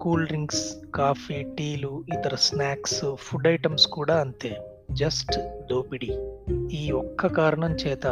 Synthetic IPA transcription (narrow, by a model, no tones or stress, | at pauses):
kuːlɾiŋɡskaːpʰiʈiːluit̪ɐɾɐsnaːkspʰuɖɐjʈɐmskuːɽaːɐnt̪eː | d͡ʒɐsʈd̪oːpiɽiiːɔkːɐkaːɾɐɳɐmt͡ʃɛːt̪ɐ